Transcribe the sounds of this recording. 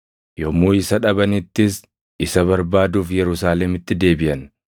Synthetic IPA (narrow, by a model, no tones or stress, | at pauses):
jomuːɪsɐᶑɐbɐnɪt̪ːɪs | ɪsɐβɐɾbaːd̪uːfjɛɾʊsaːlɛmɪt̪ːɪd̪e̞ːbɪʔɐn